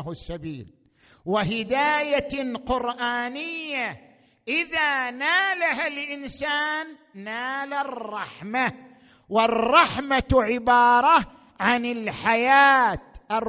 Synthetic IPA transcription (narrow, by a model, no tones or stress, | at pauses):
hsːabiːl | wɪɦɪd̪aːjaqʊɾʔaːnɪjːa | ʔɪðaːnaːlaɦalʔɪnsaːnː | aːlarˤːɑħma | wɪrˤːɑħmaʕɪbɑːɾˤɑ | ʕanɪlħajaːt̪ʔɪr